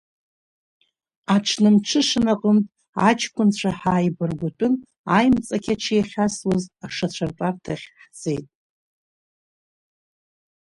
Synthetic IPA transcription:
aʈ͡ʂʰnɨmʈ͡ʂʰɨʂɨnaqʼəmtʼ | a̰t͡ʃʰkʷʰʼʊnt͡ɕʷʰaħaːjbɨrɡʷʊtʷʼʊn | a̰jmt͡sʼakʲʰat͡ʃʰijaχʲaswaztaʂat͡ɕʷʰartʼartʰaχʲħd͡zḛjtʼ

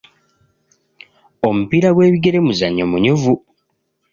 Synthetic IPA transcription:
o̞mupiɾaɡwe̞ːβiɡe̞ɾe̞muzaɲːomuɲuvu

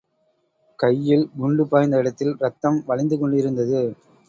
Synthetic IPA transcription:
kɐjːɪlmʊɳɖɯpːaːjnd̪ɐɪɽɐt̪ːɪlɾɐt̪ːɐmʋɐɭɪnd̪ɯkɔɳɖɪɾɯnd̪ɐðɯ

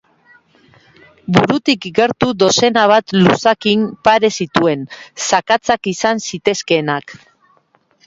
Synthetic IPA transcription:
buɾut̪ikɡe̞ɾt̪ud̪o̞se̞naβ̞at̪lusakimpaɾe̞sit̪ue̞nsakat͡sakisansit̪e̞ske̞nak

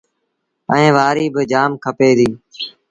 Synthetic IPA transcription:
əẽːʋaːɾiːbɪd͡ʒaːmkʰəpeːd̪iː

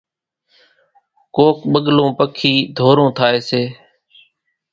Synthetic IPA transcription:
koːkɓəɠlõːpəkʰiːd̪ʱoːɾõːt̪ʰaːeːseː

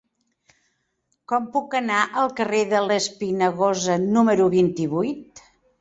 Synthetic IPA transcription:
kɔmpukənaʔəlˠkəreðələspinəɣozənuməɾuβint̪iβujt̪

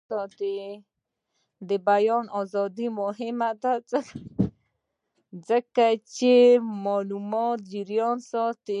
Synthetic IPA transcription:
ɔt̪e | d̪əbajɔnɔzɔd̪imʊɦɪmad̪at͡sək | zəkat͡ʃemɔlumɔt̪̚d͡ʒiɾjɔnsɔt̪e

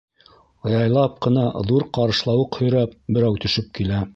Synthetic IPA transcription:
ɤ̆jɑjlˠɑp̚qɤ̆nɑðuɾqɑɾɤ̆ʃlˠɑwɤqhɵ̆jɾæp̚bɘ̆ɾæwt̪ɵ̆ʃɘp̚kilæ

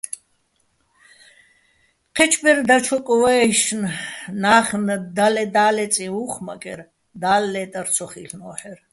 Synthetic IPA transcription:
qʰɛt͡ʃʰbɛɾd̪at͡ʃʰɔkʼɔwɛːʃnnaːχnd̪alɛd̪aːlɛt͡sʼiuːχma̰kʼɛ̰ɾ | d̪aːlːɛːt̪ʼaɾt͡sʰɔχiɬnɔːħɛɾ

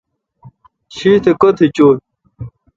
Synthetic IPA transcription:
ɕit̪ʰekot̪ʰet͡ɕoːl

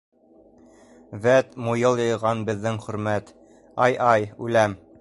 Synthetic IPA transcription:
væt̪mujɤlˠjɤ̆jʁɑnbɘ̆ðːɘŋχɵ̆ɾmæt̪ | ɑjʔɑjʉlæm

